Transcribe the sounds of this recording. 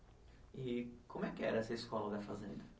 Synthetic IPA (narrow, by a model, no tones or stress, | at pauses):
ɪkõmʊɛkɪɛɾɐɛsɐɪskɔlɐvafazḛ̃nd̪ʊ